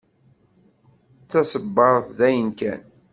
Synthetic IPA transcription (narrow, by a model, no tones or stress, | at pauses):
t͡sːæsəbːəɾˤəθðæjənkæ̰n